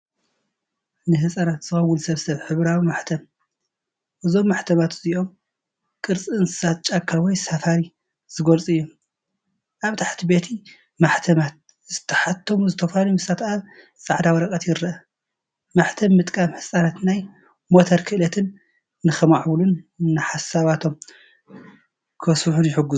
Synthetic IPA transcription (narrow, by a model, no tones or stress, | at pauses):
nɨɦɨsʼanat̪z̥ɨxɐwːʊlsɐβsɐβħɨβɾawimaħt̪ʰɐm | ʔɨzo̞mːaħt̪ʰɐmat̪ziʔo̞m | kʼɨɾt͡sʼɨɨnɨsat̚t͡ʃʼakʰːawɔjsafaɾi | z̥ɨɡolt͡sʼɨjːu | ʔaβt̪ʰaħt̪ʰibe̞t̪ʰi | maħt̪ʰɐmat̪̚ | zɨt̪ʰɐħat̪ʰːomuzɨt̪ʰɐfalumɨsat̪ʰʔa | sʼaʕd̪awɐɾɐkʼɐt̪jɪɾɐʔɐ | maħt̪ʰɐmːɨt̪ʼkʼamħɨsʼanat̪naj | mo̞t̪ʰɐɾkʰɨʔlɐt̪ʰɨnː | ɨxɐmaʕblunːɨħasaβat̪ʰo̞m | kʰɐsuħunjɪħɨɡu